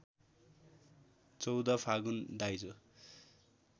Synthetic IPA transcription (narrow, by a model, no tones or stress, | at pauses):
t͡sʌwd̪ʌpʰaɡund̪ajd͡zo